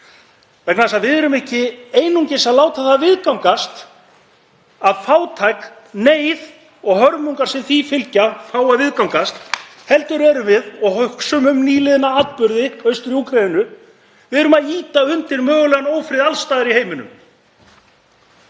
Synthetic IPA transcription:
vɛknaðasaðvɪðɛɾʏmɪhcɪeːjnuɲcɪsaðlaːwt̪aθavɪðkawmkast̪ | aðfaːwt̪ʰajk | neːjð | ɔɣɦœɾmuŋkaɾsɪnθifɪlcafaːwaðvɪðkawmkast̪ | hɛlt̪ʏɾɛɾʏvɪðɔɣhœhksʏmʏmniːlɪðɪnaat̪pʏɾðɪœɥst̪ʏɾiukʰɾeðɪnʏ | vɪðɛɾʏmaðiːt̪aʏnt̪ɪɾmœːɣʏlɛɣanoːwfɾɪðalst̪aːðɪɾiheːjmɪnʏ̰m

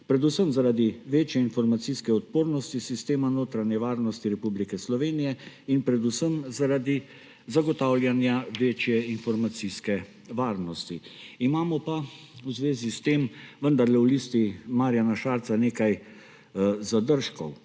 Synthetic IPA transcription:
pɾɛd̪usəmzaɾaːd̪iʋeːt͡ʃjɛinfɔɾmat̪siskɛɔt̪̚poːɾnɔst̪isist̪eːmanoːt̪ɾanjɛʋaːɾnɔst̪iɾɛpublikɛslɔʋeːnijɛ | inpɾɛd̪usəmzaɾaːd̪i | zaɡɔt̪aːwlʲjanjaʋeːt͡ʃjɛinfɔɾmat̪siskɛ | ʋaːɾnɔst̪iimaːmɔpa | wzʋeːzist̪eːmʋənd̪aɾlɛwliːst̪imaːɾjanaʃaːɾt̪saneːkaj | zad̪əɾʃkɔw

